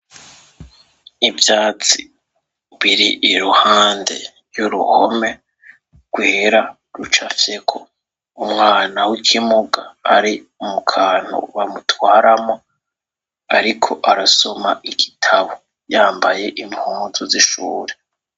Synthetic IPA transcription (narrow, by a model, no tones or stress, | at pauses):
ivjaːt͡si | βiɾiʔːɾuhaːnde̞̰ | ɾjuɾṵhome̞ | ɡ̥weːɾa | ɾut͡ʃafjekʰo | umŋaːnawikʰimuɡa̰ːɾiumukʰaːn̥o̰βamutwaːɾamo | a̰ɾikʰo̞ʔaɾaso̞maʔiɡitʰaβo | jaːmbaje̞ʔimhuːnzuziʃuːɾe